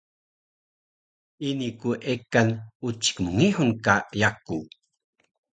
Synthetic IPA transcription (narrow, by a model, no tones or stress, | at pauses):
inikuʔekanut͡ʃi̥kmuŋiħunkajaku